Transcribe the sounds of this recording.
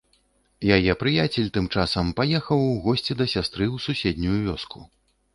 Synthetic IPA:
jajɛpɾɨjat͡sʲɛlʲt̪ɨmt͡ʂasɐmpajɛxɐwɣɔsʲt͡sʲid̪ɐsʲast̪ɾɨwsusʲɛd̪ʲnʲujuvʲɔskʰu

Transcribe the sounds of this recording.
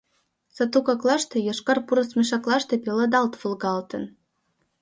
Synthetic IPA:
sɑt̪ukɑklˠɑʃt̪ɤ̆jɤʃkɑrpuɾɤ̆smʲiʃɑklˠɑʃt̪ɤ̆pʲelˠɤd̪ɑlt̪vɤ̆lˠɡɑlt̪ɤ̰̆n

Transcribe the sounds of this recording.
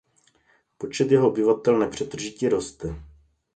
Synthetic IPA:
po̞t͡ʃɛt̪jɛɦoobɪvat̪ɛlnɛpr̝̥ɛt̪r̩ʒɪciɾo̞st̪ɛ

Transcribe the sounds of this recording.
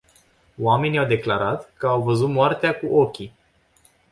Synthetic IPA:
oame̞niawd̪e̞klaɾat̪kəawvəzut̪moart̪eakuʔo̞kʲi

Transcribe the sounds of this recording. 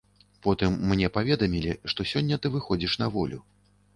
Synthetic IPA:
pɔt̪ɨmːnʲɛpavʲɛd̪ɐmʲilʲiʂt̪ɔsʲɔnʲːɐt̪ɨvɨxɔd͡zʲiʂnɐvɔlʲu

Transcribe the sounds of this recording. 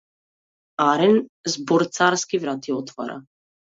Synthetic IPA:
aɾɛnzbɔɾt̪saɾskivɾat̪iɔt̪va̰ɾʔa̰

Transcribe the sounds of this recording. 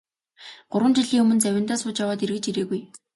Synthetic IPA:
ɢ̥ʊɾwə̆nt͡ɕiɮiːŋɵmɵ̆nt͡sæwʲɪ̆nt̪aːsʊːt͡ɕjawaːt̪irɣɘ̆t͡ɕiɾeːɣuj

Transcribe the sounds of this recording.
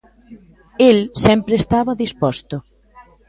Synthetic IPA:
elsɛmpɾeest̪aβɐðispɔst̪ʊ

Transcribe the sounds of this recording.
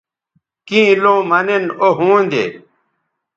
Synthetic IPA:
kĩːlõːmɐnenoɦũːnd̪ḛː

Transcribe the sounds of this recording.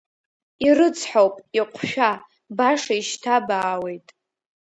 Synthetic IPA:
irɨt͡sʰħowpʼiqʷʰʼʃᶣa | baʂaiʃtʰabaːwe̞jtʼ

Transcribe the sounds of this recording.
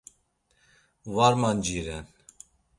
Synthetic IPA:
vaɾmand͡ʒiɾɛn

